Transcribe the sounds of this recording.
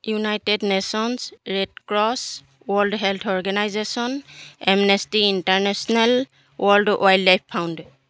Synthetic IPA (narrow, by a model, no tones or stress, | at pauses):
junajtednesɔnsɹɛd̚kɹɔs | wɔldɦɛlt̪ʰɔɹɡanajzesɔnɛmnɛstiintaɹnɛsɔnal | wʔɔldwʔajlːajpʰːawndɛ